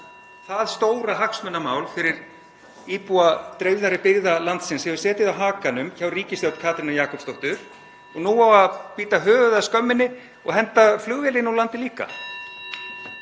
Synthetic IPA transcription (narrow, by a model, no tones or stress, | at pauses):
θaðst̪oːwɾaɦaksmœnːamaːwlfɪɾɪɾ | iːpuat̪ɾejvðaɾɪpɪɣðalant̪sɪnshɛvʏsɛːt̪ɪðawɦaːkanʏmçaːwriːcɪsθjawt̪kʰaːt̪ɾɪnaɾjaːkɔpst̪oht̪ʏɾ̥ | ɔɣnuːawaðpiːt̪aɦœːɣʏðaskœmːɪnːɪ | ɔ̰ɣɦɛnt̪aflʏɣvɪlɪnawlant̪ɪliːka̰